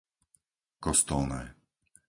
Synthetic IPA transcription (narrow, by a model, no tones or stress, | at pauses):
kɔst̪ɔlnɛ̰ː